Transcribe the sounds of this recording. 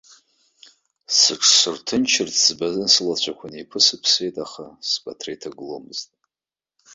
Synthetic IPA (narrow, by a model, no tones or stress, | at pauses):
sɨʈ͡ʂʰsɨrtʰɨnt͡ʃʰɪrt͡sʰzbazɨnsɨlat͡ɕʷʰakʷʰanipʰɨsɨpʰsejtʼaχaspʼatʰrejtʰaɡɨlo̰mɨztʼ